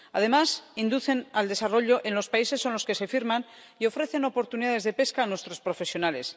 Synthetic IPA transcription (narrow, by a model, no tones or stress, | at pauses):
aðe̞masind̪uθe̞nald̪e̞saro̞ʎo̞ʔe̞nlo̞spaise̞sːo̞nlo̞ske̞se̞fiɾman | io̞fɾe̞θe̞no̞po̞ɾt̪uniðaðe̞zðe̞pe̞skaːnwe̞st̪ɾo̞spɾo̞fesjo̞nale̞s